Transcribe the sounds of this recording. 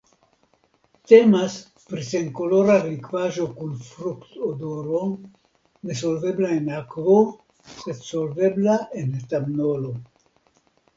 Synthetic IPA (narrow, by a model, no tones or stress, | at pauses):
t̪emas | pɾiseŋkoloɾarikvaʒokunfɾukt̪od̪oɾon | des̬olveblaenakvo | set̪solveblaʔent̪amnolo